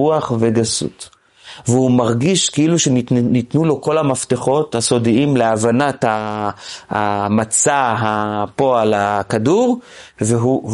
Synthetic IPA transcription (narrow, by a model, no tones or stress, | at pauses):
uaχveɡasṵt | vehumaʁɡiʃkeiluʃenit̪nulo̞ko̞lamaft̪eχo̞thaso̞diimleavanatha | amat͡saɦapo̞alakaduʁveɦu